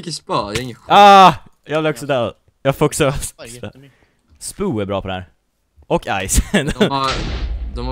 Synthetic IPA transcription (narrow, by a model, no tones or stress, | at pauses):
kəspɑːd̪aɪŋːəaː | jɑːblɛɔksɔd̪ɛː | jɑːfɔksɔ | spuːæɾbɾɑːpʰɔd̪ɛhæ̰ːɾ | ɔka̰jsn | d̪ɔ